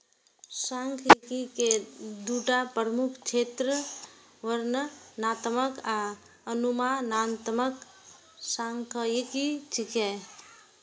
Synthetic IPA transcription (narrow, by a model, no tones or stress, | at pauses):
sãŋkʰjekiked̪uʈapəɾmukʰt͡ʃʰeːt̪ɾə | ʋəɾnənaːt̪məka | ənumanaːnt̪mək | sãŋkʰəjekit͡ʃike